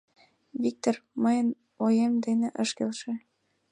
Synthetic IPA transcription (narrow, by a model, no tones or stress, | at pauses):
vʲik̚t̪ormɤjə̆n | ojemd̪enĕʔɤ̆ʃkelʃĕ